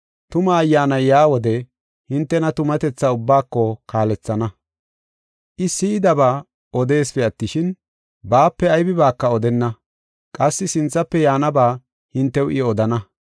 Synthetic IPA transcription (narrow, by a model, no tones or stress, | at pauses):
t̪ʊmɐːjːaːnɐjjaːwɔd̪ɛ | hɪnt̪ːɛnɐt̪ʊmɐt̪ɛt͡sːaʊbːaːkːɔkaːlɛt͡sːɐnɐ | ʔɪsɪɪd̪ɐbaː | ʔɔd̪e̞ːsfɛɐt̪ːɪʃɪn | baːpːɛɐjbɪbaːkːɐɔd̪ɛnːɐ | kʼɐsːɪsɪnt͡sːɐpːɛjaːnɐbaː | hɪnt̪ːɛwɪɔd̪ɐnɐ